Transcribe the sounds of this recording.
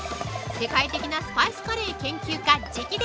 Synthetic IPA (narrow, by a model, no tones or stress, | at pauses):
se̞kait̪e̞kʲinasɨ̥paisɨ̥kaɾe̞ːkẽ̞ŋkʲɨːkad͡ʑikʲid̪